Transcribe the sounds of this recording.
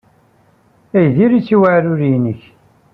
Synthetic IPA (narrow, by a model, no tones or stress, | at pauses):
æjðiɾit͡sːiwaʕɾʊɾinəç